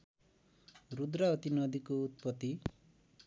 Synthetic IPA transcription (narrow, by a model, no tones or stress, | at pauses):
ɾud̪ɾaɔt̪inɔd̪ikuːt̪̚pɔt̪ːi